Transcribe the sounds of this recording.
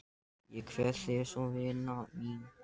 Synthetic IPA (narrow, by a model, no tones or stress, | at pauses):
jɛkʰvɛθɪsɔvɪnai